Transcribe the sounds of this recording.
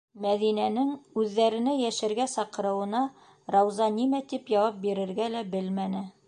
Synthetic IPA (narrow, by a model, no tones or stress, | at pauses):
mæðinænɘŋʉðːæɾɘ̆næjæʃɘ̆ɾɡæsɑqɤ̆ɾɤ̆wɤ̆nɑ | ɾɑwzɑnimæt̪ipjɑwɑp̚biɾɘ̆ɾɡælæbɘlmænɘ